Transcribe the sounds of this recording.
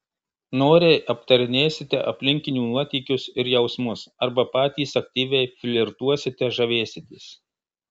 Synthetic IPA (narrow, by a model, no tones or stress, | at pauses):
noːɾʲeɪʔɐpt̪ɐɾʲɪnʲeːsʲɪt̪ʲɛ̰ʔɐpʲlʲɪŋʲkʲɪnʲuːnuɔt̪ʲiːkʲʊsɪɾjɛʊsmʊsɐɾbɐpɑːt̪ʲiːsɐk̚ʲt̪ʲiːʋʲɛɪfʲlʲɪɾt̪uɔsʲɪt̪ʲɛʒɐʋʲeːsʲɪd̪ʲiːs